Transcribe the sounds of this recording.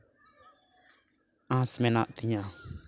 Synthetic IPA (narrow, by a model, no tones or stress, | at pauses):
ãsmɛnaʔt̪iɲa